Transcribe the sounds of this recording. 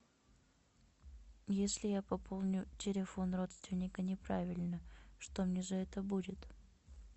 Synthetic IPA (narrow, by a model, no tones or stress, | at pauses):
jesʲlʲɪjapɐpʰo̞lˠnʲʊtʲɪlʲɪfo̞nro̞t̪st̪vʲɪnʲːɪkənʲɪpɾavʲɪlʲnəʂt̪o̞mnʲeʐəɛt̪əbudʲɪt̪